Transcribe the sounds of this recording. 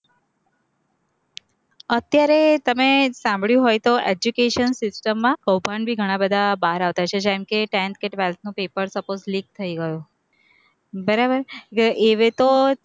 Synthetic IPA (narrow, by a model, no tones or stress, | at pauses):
ət̪jaɾet̪əmesãmbɭjũɦojt̪oʔed͡ʒukeʃənsɪsʈəmːãkəwbʱanbʱiɡʱəɽ̃ãbəd̪ʱabaɾaʋt̪at͡ʃʰed͡ʒamkeʈɛ̃nt̪̚keʈʋelt̪ʰnũpepəɾsəpozlik̚t̪ʰəiɡəjũ | bəɾabəɾeʋet̪o